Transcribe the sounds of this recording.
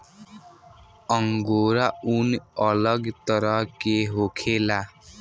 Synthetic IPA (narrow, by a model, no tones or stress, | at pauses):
əŋɡoːɾaunəlʌɡt̪əɾʌɦkeɦokʰela